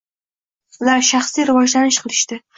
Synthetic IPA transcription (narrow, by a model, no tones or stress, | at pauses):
ʊlaɾʃaχslijɾɪvɒd͡ʒlanɪʃqʰɨlˠɪʃt̪ɪ